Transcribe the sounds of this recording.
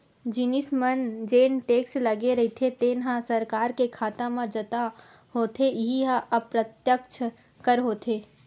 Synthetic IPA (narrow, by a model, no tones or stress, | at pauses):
d͡ʒinismənd͡ʒeːnʈeːkslɐɡeɾɐɦit̪ʰet̪eːnɦãsɐɾkaːɾkekʰaːt̪ãmãd͡ʒɐt̪a | ɦoːt̪ʰeɪɦiɦãʔɐpɾət̪jək̚t͡ʃʰ | kəɾɦoːt̪ʰeː